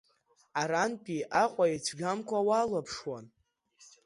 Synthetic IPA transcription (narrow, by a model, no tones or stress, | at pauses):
aɾanpʼiʔaqʷʼait͡ʃʷʰɡʲamkʷʰawalapʰʂwan